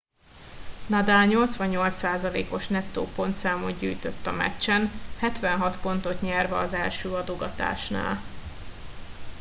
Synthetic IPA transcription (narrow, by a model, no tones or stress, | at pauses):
nɒd̪aːlɲo̞lt̪sʋɒɲːo̞lt̪saːzɒlḛːko̞ʃnɛt̪ːo̰ːpo̞nt̪saːmoɲɟyːjt̪øt̪ːɒmɛ̰t͡ʃːɛnhɛt̪ʋɛnɦɒt̪po̞n̪t̪o̞t̪ɲɛrvɛːzɛlʃøːɒd̪o̞ɡɒt̪a̰ːʃna̰ːl